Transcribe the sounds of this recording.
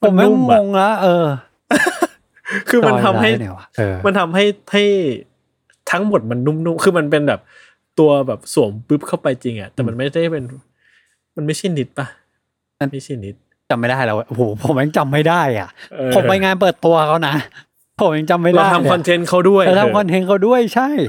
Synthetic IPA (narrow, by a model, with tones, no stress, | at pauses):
pʰm˥u˥˩m˦o˧ŋla˦˥ʔɤː˧ | kʰɯː˧m˧nt̪ʰa˧mhaː˥˩˧ma˧nt̪ʰa˧mɦa˥˩jha˥˩j | t̪ʰa˦˥ŋmo˨˩t̪̚ma˧nːu˥˩mnu˥˩mkʰɯː˧ma˧np̬e˧nbɛː˨˩p̚ | t̪u˧ɐbɛː˨˩p̚su˨˩˦ŋpɯ˦˥p̚kʰa˥˩wpa˧jt͡ɕi˧ŋʔa̰˨˩ʔt̪ɛː˨˩ma˧nma˥˩jda˥˩jpe˧n | ma˧nma˥˩jt͡ɕʰa˥˩jni˦˥t̪̚pa˦˩˧ | ma˥˩jt͡ɕʰa˥˩jni˦˥t̪̚ | t͡ɕa˧mːa˥˩jdaː˥˩lɛ̰˧˥wa˧˩ʔho˨˩pʰo˨˩˦mja˧ŋt͡ɕa˧mːa˥˩jdaː˥˩jʔa̰˨˩ʔʔɤː˧o˨˦pa˧jŋaː˧np̬ɤː˨˩t̪ːu˧ɐkʰa˦˥wna˦˥ | pʰo˨˩˦mja˧ŋt͡ɕa˧mːa˥˩la˧˦˥t̪ʰa˧mkʰɔ˧nt̪ʰe˦˥nkʰa˦˥˩wdu˥˩əjt̪ʰa˧kʰɔ˧nt̪ʰe˦˥nkʰa˦˥˩wdu˥˩əjt͡ɕʰa˥˩j